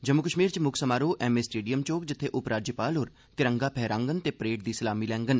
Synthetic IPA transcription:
d͡ʒəmːʊkəʃmiːɾt͡ʃmʊkʰsəmaːɾoːʔɛːmeːsʈeːɖijəmt͡ʃoːkd͡ʒɪt̪ʰːeːʔʊpɾaːɾd͡ʒəpaːlɦoːɾ | t̪ɪɾə̃ŋɡaːpʰɛːɾãːŋɡənt̪eːpɾeːʈ̚d̪iːsəlaːmiːlɛ̃ːŋɡən

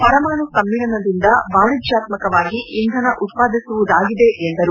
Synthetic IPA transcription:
pɐɾɐmaːɳusɐmːiɭɐnɐd̪ind̪ɐbaːnid͡ʒjaːt̪mɐkɐʋaːɡiʔːnd̪ʱɐnɐʔut̪̚paːd̪ʱisuʋud̪aːɡid̪e̞ʔend̪ɐɾu

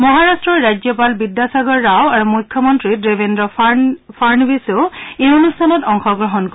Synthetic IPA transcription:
mɔɦaɹastɹɔɹːajd͡ʒjɔpalbidjasaɡɔɹːawaɹumujkʰːjɔmɔntɹidɹebʱendɹɔpʰaɹnbiseʊejonustʰanɔtɔŋxɔɡɹɔɦɔnk

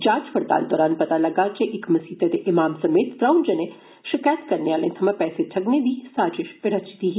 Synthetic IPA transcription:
d͡ʒaːd͡ʒpɐɾt̪a̰ːld̪ɔːɾaːnpɐt̪alɐɡaːt͡ʃeʔɪkmɐsiːt̪ɐt̪eʔɪmaːmsɐmeːt̪ːɾaːʊnd͡ʒɐne | ʃɪkaːjət̪kɐɾneaːlẽt̪ʰɐmãpɛːseʈʰɐɡned̪iːsaːd͡ʒɪʃpɪɽɐt͡ʃi̥t̪iːɦ

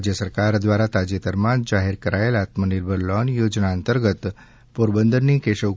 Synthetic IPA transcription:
d͡ʑjəsəɾkaɾd̪ʋaɾat̪ad͡ʑet̪əɾmand͡ʒaɦeɾkəɾʔajelat̪məniɾbʱəɾlɔnjod͡ʒnaənt̪əɾɡət̪ | poɾbənd̪əɾniːkeɕəʋ

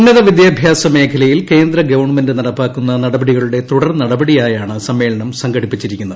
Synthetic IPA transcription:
unːɐðɐʋid̪jaːbʱjaːsɐme̞ːkʰɐlɐjilke̞ːnd̪ɾɐɡɐʋɐrɳmɐndɨnɐɽɐpːaːkːunːɐnɐɽɐbɐɽiɣɐɭuɽe̞t̪uɽɐrnɐɽɐbɐɽijaːjaːɳɨsɐmːe̞ːɭɐɳɐmsɐŋɡɐɽipːit͡ɕːiɾikʲːunːɐð

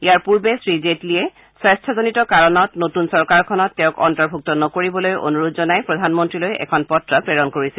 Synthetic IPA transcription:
ijaɹpuɹbɛsɹizetliɛ | swɛstʰɔzonitɔkaɹɔnɔtnotunsɔɹkaɹkʰɔnɔtːɛʊ̃kɔ̰ntɔɹbʱuk̚tɔnɔkoɹibɔlojo̰nuɹodzɔnajpɹɔdʱanmɔntɹilojɛ̰kʰɔnpɔtɹapɹeɹɔnkoɹisil

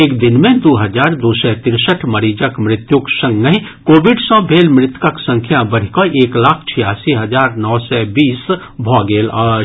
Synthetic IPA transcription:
eːkd̪ɪnmẽd̪oːɦɐzaːɾd̪oːsɛt̪ɪɾsəʈʰmɐɾiːd͡ʒəkmɾɪt̪jʊksɐ̃ŋɡəɦikoːʋɪɖsɔ̃bʱeːlmɾɪt̪kəksə̃ŋkʰjabɐɾ̤ikoʔeːklaːkʰt͡ʃʰɪjaːsiɦɐzaːɾnɔːsɛbiːs | bʱɔːɡeːla

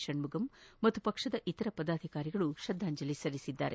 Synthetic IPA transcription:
ʂɐɳmuɡɐmːɐt̪ːupɐkʂɐd̪ɐʔit̪ɐɾɐpɐd̪aːd̪ʱikaːɾiɡɐɭuʃɐd̪ʱːaːɲd͡ʒɐlisɐɾisid̪ːa̰ːɾḛ

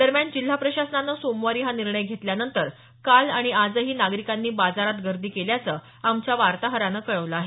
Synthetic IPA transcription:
d̪̥əɾmjand͡ʑil̤ːapɾəɕasnanəsomʋaɾiːɦaniɾɳəjɡʱet̪ljanənt̪əɾ | kalaɽ̃iad͡zəɦiːnaɡɾikanːiːbad͡zaɾat̪ɡʱəɾd̪ʱiːkeljat͡səː | amt͡ɕjaʋaɾt̪aɦəɾanəkəɭəʋləaɦe

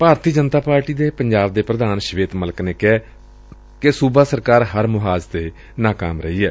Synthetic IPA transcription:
paːɾt̪iːd͡ʒənt̪aːpaːɾʈiːd̪eːpəɲd͡ʒaːb̚d̪eːpɾəd̪aːnʃʋeːt̪mələkneːkɛː | kesuːbaːsəɾkaːɾɦəɾmʊɦaːd͡ʒt̪eː | naːka̰ːmɾəiːɛː

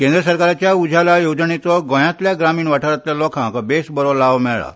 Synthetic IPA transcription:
kẽnd̪ɾəsəɾkaɾat͡ɕjaud͡ʑʱalajod͡znet͡sɔɡɔ̃jãt̪ljaɡɾamiːɳʋaʈʰaɾat̪ljalɔkʰãkabesbəɾɔlaʋmɛɭɭa̰

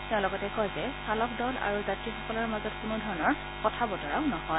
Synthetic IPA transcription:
teʊ̃lɔɡɔtɛkɔjzɛsalɔk̚dɔla̰ɹuzatɹiixɔkɔlɔɹmazɔtkʊnudʱɔɹɔnɔɹ | pɔtʰabɔtɔɹaʊnɔɦɔj

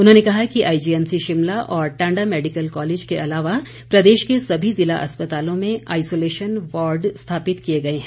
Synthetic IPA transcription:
ʊnɦõnekɐɦakiʔaːid͡ʒiːɛnsiʃɪmlaʔɔːɾʈãːɳɖamɛːɖɪkəlkɔːleːd͡ʒkeʔɐlaːʋa | pɾɐd̪eːʃkesɐbʱizɪla̰ʔɐspɐt̪aːlõmẽa̰ːɪsoːleːʃənʋɔːɾɖst̪ʰaːpɪt̪kijeɡɐeɦɛ̃

